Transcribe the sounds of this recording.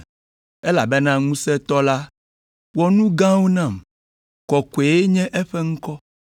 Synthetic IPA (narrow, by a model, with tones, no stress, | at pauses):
e˦la̰˨be˦nã˦ŋũ˦sɛ˦t̪ɔ˦la˦ | wɔ˦nũ˦ɡã˦wo˦nã˦˨m | kɔ˨ke˨je˦ɲɛ̃˦ʔɛ˦ɸɛ˦ŋ̩̃˦kɔ˦